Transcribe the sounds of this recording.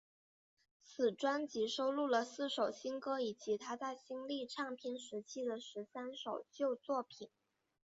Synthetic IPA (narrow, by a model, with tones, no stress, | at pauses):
t͡sɹ̩˨˩ʈ͡ʂwa˥nt͡ɕi˧˥ʂo˥ʊlu˥˩lə˩sɹ̩˥˩ʂo˨˩ʊɕi˥nkɤ˥i˨˩t͡ɕi˧˥t̪ʰa˥t͡sa˥˩ɪɕi˥nli˥˧ʈ͡ʂʰɑ˥˩ŋpʰi˧˥nʂɻ̩˧˥t͡ɕʰi˥d̪ə˨ʂɻ̩˧˥sa˥nʂo˨˩ʊt͡ɕjo˥˧ʊt͡swɔ˥˩pʰi˨˩˦n